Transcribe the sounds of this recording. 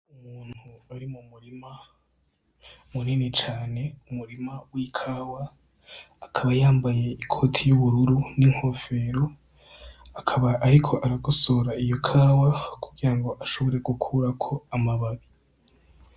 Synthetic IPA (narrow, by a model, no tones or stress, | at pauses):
umuːn̥huaɾimumuɾima | muniːnit͡ʃaːne̞umuɾimawikʰaːwaː | kʰaβajaːmbaje̞ikʰo̞ːtʰijuβuɾuɾuniŋ̥ho̞fe̞ɾo | akʰaβaʔːɾikʰo̞ʔaɾaɡosoɾaijo̞kʰaːwakuɡiɾaŋɡo̞ʔaʃo̞βo̞ɾe̞ɡukʰuɾakʰo̞amaβaβi